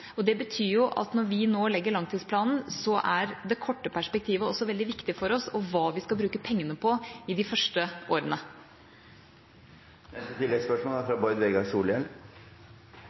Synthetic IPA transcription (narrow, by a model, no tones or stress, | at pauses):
ɔd̪ɛbət̪ʰyːjʊʔɑ̰t̪nɔɾʋɪnoːlɛɡːəɭɑŋt̪ʰiːspʰlɑːnn̩sɔʔæɾd̪ɛkʰɔʈːəpʰæʂpɛk̚t̪ʰiːʋəɔsːɔʋɛld̪ɪʋɪkt̪ɪfɔɾɔsɔʋɑːʋɪskɑlbɾʉːkəpʰɛŋːənəpʰɔɪd̪ɪfœʂʈəʔoːɾənə | ɛt̪ət̪ʰɪlɛspœʂmoːlfɾɑbɔʏd̪ʋeːɡɑsuːljɛl